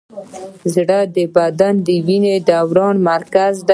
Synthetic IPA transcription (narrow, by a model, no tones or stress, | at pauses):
zɽad̪əbad̪and̪əwined̪awɾɑnmaɾkazd̪a